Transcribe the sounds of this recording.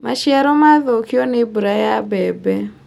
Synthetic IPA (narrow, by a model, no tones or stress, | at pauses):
maʃiaɾɔmaðokiɔnebuɾajabɛbɛ